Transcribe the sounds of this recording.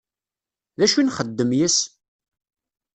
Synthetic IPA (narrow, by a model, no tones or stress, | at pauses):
ðæʃunχəd̪ːəmjəs